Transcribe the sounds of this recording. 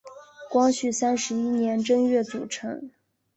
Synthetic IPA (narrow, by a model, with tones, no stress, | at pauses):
kwɑ˥ŋɕy˥˩sa˥nʂɻ̩˧˥i˥njɛ˧˥nʈ͡ʂə˥ŋɥɛ˥˩t͡sṵ˨˩ʈ͡ʂʰɤ̰˧˥ŋ